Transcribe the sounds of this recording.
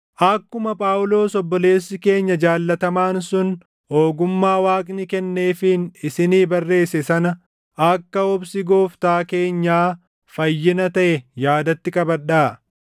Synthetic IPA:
ʔɐkːʊmɐpʼaːwʊlo̞ːsɔbːɔle̞ːsːɪke̞ːɲːɐd͡ʒaːlːɐt̪ɐmaːnsʊn | oːɡʊmːaːwaːkʼnɪkɛnːe̞ːfɪnɪsɪniːbɐrːe̞ːsɛsɐnɐ | ʔɐkːɐɔbsɪɡoːft̪aːke̞ːɲːaː | fɐjːɪnɐt̪ɐʔɛjaːd̪ɐt̪ːɪkʼɐbɐɗaː

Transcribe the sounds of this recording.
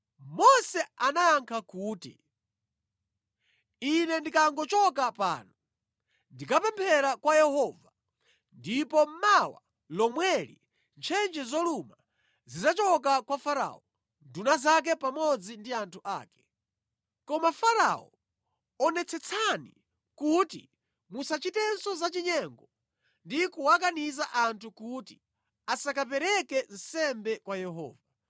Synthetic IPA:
mɔsɛanajaŋkʰakuːtḭ | inɛndikaŋɡɔt͡ʃɔkapa̰ːnɔ | ndikapɛmpʰɛɾakwajɛhɔːva | ndipɔm̩mawa̰ | lɔmwɛɾḭ | nt͡ʃʰɛnd͡ʒɛzɔluma | zizat͡ʃɔkakwafaɾa̰ɔ | ndunazak̬ɛpamɔd͡zindiantʰuʔa̰ːkɛ̥ | kɔmafaɾa̰ɔ̰ | ɔnɛt͡sʰɛt͡sʰani | kutḭ | musat͡ʃitɛnsɔzat͡ʃiɲɛŋɡɔ | ndikuwak̬anizaʔantʰukuti | asakap̬ɛɾɛkɛn̩sɛmbɛkwajɛɦɔ̰ːva

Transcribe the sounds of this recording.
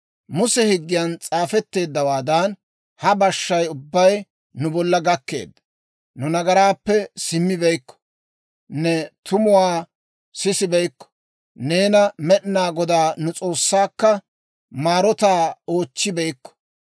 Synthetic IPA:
mʊsɛhɪɡːɪjɐnt͡sʼaːfɛt̪ːe̞ːd̪ːɐwaːd̪ɐn | hɐbɐʃːɐjʊbːɐj | nʊbɔlːɐɡɐkːe̞̰ːd̪ːɐ | nʊnɐɡɐɾaːpːɛsɪmːɪbɛjkːɔ̥ | nɛt̪ʊmʊwaː | sɪsɪbɛjkːɔ̥ | neːnɐmɛɗɪnaːɡɔd̪aːnʊt͡sʼo̞ːsːaːkːɐ | maːɾɔt̪aːo̞ːt͡ʃːɪbɛjkːɔ̥

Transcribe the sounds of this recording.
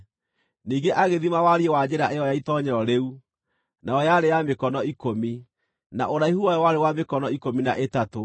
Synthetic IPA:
niːɡeʔaɣeðimawaɾiewad͡ʑɛɾaʔeɔjaitɔɲɛɾɔɾeu | naɔjaɾejamekɔnɔikomi | na̰ʔoɾaihuwajɔwaɾewamekɔnɔikominaʔetato

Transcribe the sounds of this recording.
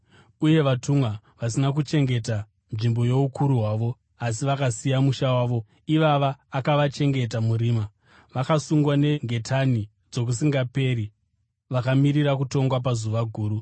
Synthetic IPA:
uje̞ʋatʰumwa | ʋasinak̬ut͡ʃe̞ŋɡe̞ta | nʐimbo̞je̞ukʰuɾuɦwaːʋo̞ | asiʋakasijamuʃawaːʋo̞ | iʋaʋaːkaʋat͡ʃe̞ŋɡe̞t̬amuɾiːma | ʋakasuŋɡwane̞ŋɡe̞tʰani | d͡zo̞k̬usiŋɡape̞ːɾi | ʋakamiɾiɾakuto̞ŋɡwap̬azuʋaɡʱuːɾu

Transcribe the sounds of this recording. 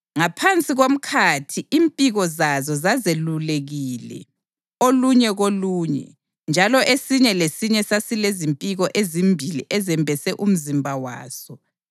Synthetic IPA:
ŋapʰant͡sʼiɣom̩kʰatʰiʔimpʼiɣɔzazɔzazeluleɣiːlɛ̰ | oluɲɛɣoluːɲɛ̰ | nd͡ʒʱalɔʔesiɲɛlesiɲɛsasilezimpʼiɣɔʔezimbʱilḭʔɛzɛmbʱɛsɛʔum̩zimbʱawa̰ːsɔ

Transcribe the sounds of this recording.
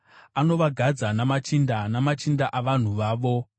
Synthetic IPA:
ano̞ʋaɡʱad͡zanamat͡ʃindanamat͡ʃindaʔaʋan̤uʋaːʋo̞

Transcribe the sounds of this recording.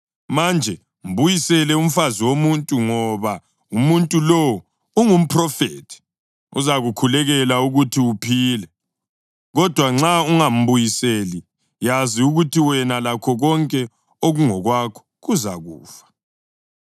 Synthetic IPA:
mand͡ʒʱɛ | m̩βujisɛlɛum̩faziwomuntʼuŋɔβa | umuntʼulɔw | uŋum̩pʰrɔfeːtʰi̥ | ṵzaɣukʰulɛɣɛlauɣutʰiupʰiːlɛ | ɣɔd̥ʱwaŋ͡ǁauŋam̩βujiseːli | jaziuɣutʰiwɛnalakʰɔɣɔŋkʼɛ | oɣuŋɔɣwakʰɔ̥ɣuza̰ɣṵːfḁ

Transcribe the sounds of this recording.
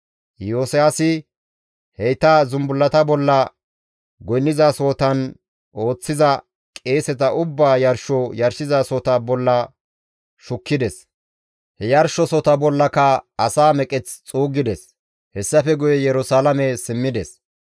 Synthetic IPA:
joːsɛasɪ | hɛjt̪azʊmbʊlːɐt̪ɐbɔlːɐ | ɡɔjnːɪzaso̞ːt̪ɐn | o̞ːt͡sːɪzɐ | kʼe̞ːsɛt̪ɐʔʊbːaːjɐɾʃɔjɐɾsɪzaːsɔt̪ɐbɔlːɐ | ʃʊkːɪd̪ɛs | hɛjɐɾʃɔsɔt̪ɐbɔlːɐkɐɐsaːmɛkʼɛt͡st͡sʼuːɡɪd̪ɛs | hɛsːɐfɛɡʊjɛjɛɾʊsaːlɐmɛsɪmːɪd̪ɛs

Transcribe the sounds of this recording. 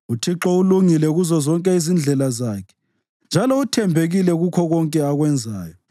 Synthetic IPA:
utʰiǁɔuluŋilɛɣuzɔzɔŋkʼɛizind͡ɮʱɛlazaːkʰɛ̥ | nd͡ʒʱalɔutʰɛmbʱeɣilɛɣukʰɔɣɔŋkʼɛaɣwɛnd͡zʱa̰ːjɔ

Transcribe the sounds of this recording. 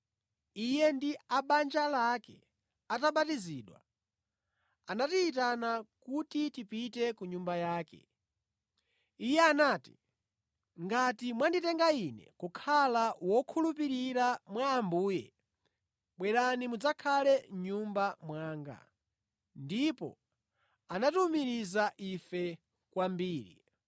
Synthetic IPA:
ijɛndiaɓand͡ʒalakɛ̰ | ataɓatiziːɗwa̰ | anatiːtanakutitipitɛkuɲumbajaːkɛ̰ | ijɛanaːti | ŋɡatimwanditɛŋɡainɛ̰kukʰalawɔkʰulup̬iɾiɾamwaːmbuːjɛ̰ | ɓwɛɾanimud͡zakʰalɛɲumbamwaːŋɡa̰ | ndipɔ̰ | anatumiɾizaʔifɛ | kwambiːɾḭ

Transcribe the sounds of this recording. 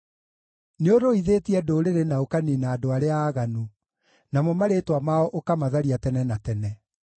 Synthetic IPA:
neodoiðetiɛdoɾeɾenaokaninaːdoaɾeaːɣanu | namɔmaɾetwamaɔʔokamaðaɾiatɛnɛnatɛnɛ

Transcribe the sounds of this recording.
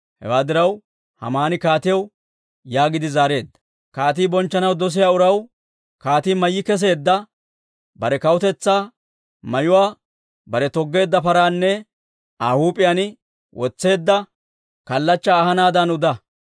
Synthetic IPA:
hɛ̰waːd̪ɪɾɐw | hɐ̰maːnɪkaːt̪ɪjɐw | jaːɡɪd̪ɪzaːɾe̞ːd̪ːɐ̥ | kaːt̪̬iːbɔnt͡ʃːɐnɐwd̪ɔs̬ɪjaːʊɾɐw | kaːt̪iːmɐjːɪkɛs̬e̞ːd̪ːɐ | bɐɾɛkɐwʊt̪ɛt͡sːaː | mɐjʊwaː | bɐɾɛt̪ɔɡːe̞ːd̪ːɐpɐɾaːnːɛ | aːhuːpʼːɪjanɪ | wʔɔt͡sːe̞ːd̪ːɐ | kɐlːɐt͡ʃːaːhɐnaːd̪ɐnʊd̪ɐ

